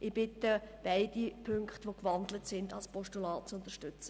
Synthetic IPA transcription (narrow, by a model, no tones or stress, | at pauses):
ʔɪb̥ɪtəb̥æɪd̥ipʰʏŋkχtʋokʋɑndlətsɪndɑlspɔʃtulɑːt̚t͡sʊnt̪əʃtʏt͡sə